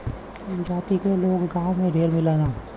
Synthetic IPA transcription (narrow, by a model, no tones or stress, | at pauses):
d͡ʒaːt̪ikeloːɡɡaːmẽɖʱeːɾmɪleːnaː